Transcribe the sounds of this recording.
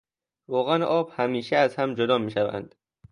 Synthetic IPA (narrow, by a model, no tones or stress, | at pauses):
vɒːɣænʔɒːbhæmiːʃeæzhæmd͡ʒod̪ɒːmiːʃævæ̰nd̪̥